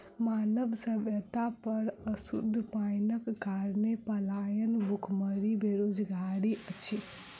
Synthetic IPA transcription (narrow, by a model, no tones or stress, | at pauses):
maːnəbsəbjət̪apəɾəsṵd̪ʱːpajnəkːaɾnepəlajənbukʰməɾibeɾod͡ʒɡaɾiət͡ʃʰi